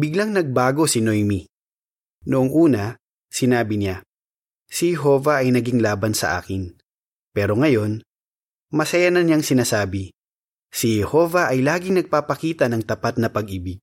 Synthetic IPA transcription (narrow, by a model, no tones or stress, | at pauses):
bɪɡlaŋnɐɡ̚baːɡo̞sɪnojmi | noʔoŋʔuːnɐ | sɪnaːbɪnɪa | sihɛɦo̞ːvɐʔɐjnɐɡiŋlaːbɐnsɐ̰ʔa̰ːkɪn | pɛːɾo̞ŋɐjo̞n | mɐsɐjanɐnjaŋsɪnaːsaːbɪ | sihɛho̞vɐʔɐjlaːɡɪŋnɐɡ̚papɐkiːt̪ɐnɐŋt̪ɐpat̪̚nɐpɐɡʔibiɡ̚